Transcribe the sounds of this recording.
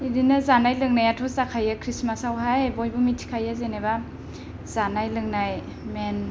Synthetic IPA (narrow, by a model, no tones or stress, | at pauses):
idinazanajlɯŋnajatʰɔzakʰajakʰɾismasawɦajbojbumitʰi̥kʰajazeneba | z̥anajlɯŋnaj | men